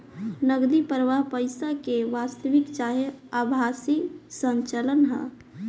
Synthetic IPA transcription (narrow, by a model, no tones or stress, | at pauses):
nəɡd̪ipəɾʋaɦpəjsakeʋast̪əʋikt͡ʃaɦeabʱasisə̃ɲt͡ʃələnɦə̰